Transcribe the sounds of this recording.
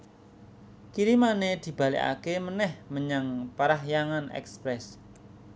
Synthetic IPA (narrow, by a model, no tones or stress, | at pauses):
kiɾimaned̪̥i̤b̥a̤lḭka̰kemənɛhməɲaŋpəɾaɦjaŋanɛ̰kspɾɛs